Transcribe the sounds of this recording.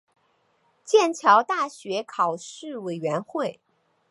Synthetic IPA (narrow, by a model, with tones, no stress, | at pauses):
t͡ɕjɛ˥˩nt͡ɕʰjɑ˧˥ʊt̪a˥˩ɕɥɛ˧˥kʰɑ˨˩ʊʂɻ̩˥˩we˨˩ɪɥɛ˧˥nxwe˥˩ɪ